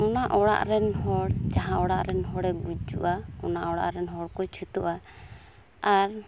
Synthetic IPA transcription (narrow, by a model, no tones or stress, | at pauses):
ɔnaʔɔɽa̰ʔɾɛnɦɔɽd͡ʒaɦãɔɽaʔɾɛnɦɔɽɛɡud͡ʒuʔaɔnaʔɔɽa̰ʔɾɛnɦɔɽkɔt͡ʃʰut̪uʔa | aɾ